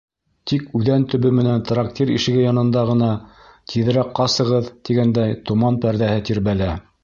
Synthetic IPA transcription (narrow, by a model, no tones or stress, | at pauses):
t̪ikʉðænt̪ɵ̆βɘmɘ̆nænt̪rakt̪ʲiɾḭʃɘ̆ɡɘjɑnɤ̆nd̪ɑʁɤ̆nɑ | t̪ʰiðɘ̆ɾæqːɑsɤ̆ʁɤðt̪iɡænd̪æjt̪ŏmɑnpæɾðæhɘt̪iɾβælæ